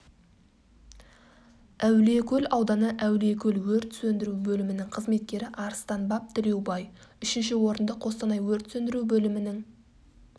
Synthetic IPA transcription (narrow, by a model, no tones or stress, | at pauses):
æwle̞kʲʰɵlɑwd̪ɑnəʔæwle̞kʲʰɵlwɵɾt̪sɵnd̪ɪɾuwbɵlɪmɪnɪŋqʰəzme̞t̪̚kʲe̞ɾɪʔɑɾst̪ɑnbɑp̚t̪ʰɪlewbɑjʏʃɪnʃɪwo̞ɾənd̪əqʰo̞st̪ɑnɑjwɵɾt̪sɵnd̪ɪɾuwbɵlɪmɪnɪŋ